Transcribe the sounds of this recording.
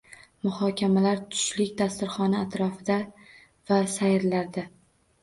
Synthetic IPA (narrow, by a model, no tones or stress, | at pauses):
mʊhɒkʲʰamalaɾt̪ʰʊ̥ʃlɪkʲd̪ast̪ɪɾχɒnaat̪ɾɒfɪd̪a | vasajɾlaɾd̪a